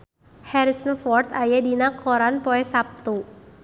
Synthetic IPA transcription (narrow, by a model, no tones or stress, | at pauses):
hɛɾisənfɔrt̪ajadinakʰɔɾanpɔɛsap̚t̪u